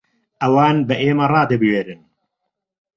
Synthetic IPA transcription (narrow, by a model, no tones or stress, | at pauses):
ʔɐwaːnbɐʔeːmɐrˤɑːd̪ɐbɨɥeːɾɨn